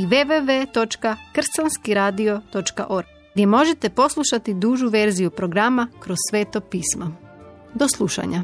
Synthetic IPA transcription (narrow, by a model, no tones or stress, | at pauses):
iʋeʋeʋet̪o̞t͡ʃkakr̩sanskiɾaːd̪io̞t̪o̞t͡ʃka̰ʔo̞ɾɡ | ɡd̪ʲje̞mo̞ʒe̞t̪e̞po̞slˠuʃat̪id̪uːʒuʋe̞ɾzijupɾo̞ɡɾamakɾo̞ssʋe̞ːt̪opiːsma | d̪o̞slˠuʃa̰ɲa